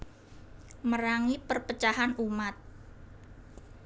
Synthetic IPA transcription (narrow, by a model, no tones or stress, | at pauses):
məɾaŋipərpət͡ʃahanumat̪̚